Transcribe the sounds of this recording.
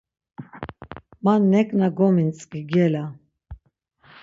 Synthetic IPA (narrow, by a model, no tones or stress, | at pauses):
manːɛkʼnaɡɔmint͡sʼkiɡɛla